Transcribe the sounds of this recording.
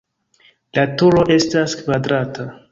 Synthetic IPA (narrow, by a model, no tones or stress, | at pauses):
latuɾo̞ʔe̞staskvadɾata